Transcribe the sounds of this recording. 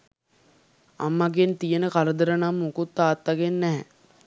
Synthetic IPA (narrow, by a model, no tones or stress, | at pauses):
a̰mːaɡent̪ijənəkaɾəd̪əɾənamːukut̪ːaːt̪ːaɡenːɛɦɛ̰